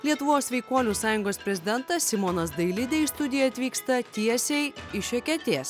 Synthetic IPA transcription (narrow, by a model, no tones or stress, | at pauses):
lʲiɛt̪ʊʋoːsʋʲɛɪkoɔlʲuːsɑːjʊŋɡoːspʲɾʲɛzʲɪd̪ʲɛnt̪ɐsʲsʲɪmonɐsd̪ɐɪlʲɪd̪ʲɛjst̪ʊd̪ʲɪjɛɐt̪ʲʋʲiːkst̪ɐt̪ʲiɛsʲɛɪɪʃʲɛkʲɛt̪ʲeːs